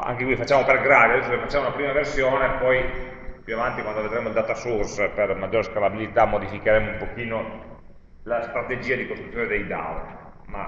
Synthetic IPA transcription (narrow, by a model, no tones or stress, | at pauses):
a̰ŋkekwifat͡ʃːaːmoperɡɾaːd̪ijad̪ɛsːokefat͡ʃːamounapɾiːmaversjoːnepɔj | pjuavant̪ikwand̪oved̪ɾeːmoild̪aːt̪asurspermad͡ʒːoːɾeskalabilit̪amːod̪ifikeɾemoumpokiːno | last̪ɾat̪ed͡ʒiːad̪ikost̪ɾut̪ːjoːned̪ejd̪a̰wɾ | ma̰